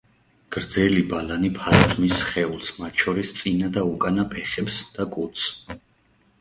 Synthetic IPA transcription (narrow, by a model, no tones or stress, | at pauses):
ɡ̥ɾd̪zɛlibalanipʰaɾɔzmisχɛulˠsmat̪ʰʃɔɾist̪sʼinad̪aukʼanapʰɛχɛpsd̪̥akʼut̪sʰ